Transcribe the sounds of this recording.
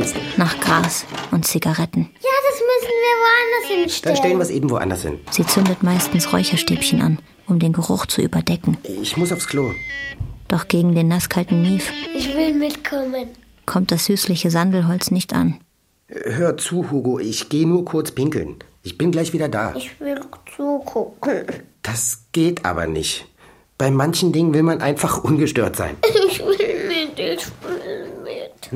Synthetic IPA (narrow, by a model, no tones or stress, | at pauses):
naːχɡ̥ʁaːsʔʊntt͡siɡaʁɛtn̩jaːdasmʏsn̩viːɐvoandɐsɪnʃtdaʃtɛlənviɐsʔeːbm̩vo̰ːʔa̰ndɐ̰sɪ̰nz̥iːt͡sʏndətmaɪstn̩sʁɔ̰ʏçɐʃteːpçənʔa̰n | ʔʊmdeːnɡəʁʊ̰χt͡suʔy̰ːbɐdɛkŋ̩ɪçmʊsaʊfskʰl̥oː | d̥ɔχɡ̥eːɡŋ̩deːnːaskʰaltn̩niːfɪçv̥ɪlmɪtkʰɔmən | kʰɔmt̚d̥asz̥yːslɪçəzandl̩ɦɔlt͡snɪçtʔa̰n | ɦøːɐt͡suːhuːɡoːʔɪçɡ̥eːənuːɐkʰʊɐt͡spɪŋkl̩nʔɪçb̥ɪnɡlaɪçv̥iːdɐda̰ːɪçvɪlt͡suːkʰʊkn̩d̥asɡ̥eːtʰʔa̰ːbɐ̰nɪ̰çt | b̥aɪmançn̩dɪŋənvɪlmanʔa̰ɪnfaχʔʊnɡəʃtøːɐtz̥a̰ɪnɪçvɪlmɪdenʃilmɪt